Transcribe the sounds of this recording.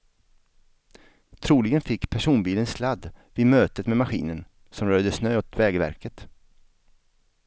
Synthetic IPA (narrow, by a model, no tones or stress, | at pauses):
t̪ʰɾuːlɪɡənfɪkːpʰæʂuːnbiːlənslad̪ːvɪmøːt̪ət̪mɛmaɧḭːnən | sɔmɾœːd̪əsnøːɔt̪vɛːɡəvæ̰ɾkət̪